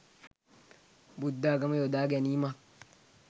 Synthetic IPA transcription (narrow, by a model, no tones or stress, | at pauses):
bud̪ːaɡamajodaːɡenima